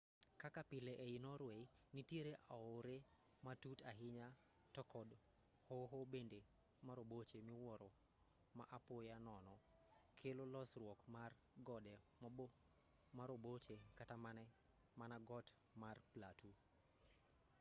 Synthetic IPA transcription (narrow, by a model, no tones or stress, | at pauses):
kakapɪleʔɛinɔɾwej | nitjeɾeʔaoɾe | matutaɦɪɲa | tɔkɔd | hoɦobende | maɾobot͡ʃemiwɔɾo | maʔapwojanɔnɔ | kʰelolɔsrwɔkmar | ɡɔdɛ | m | maɾobot͡ʃekatamanɛ | manaɡɔt | marplatu